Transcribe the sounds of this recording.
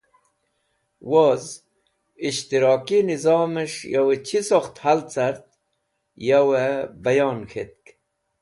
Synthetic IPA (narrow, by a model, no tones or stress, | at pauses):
woz | iɕt̪iɾɑːkinizɑːmeʂjawet͡ɕʰisoxt̪halt͡saɾt̪̚ | jawebɐjoːnxʰet̪̚k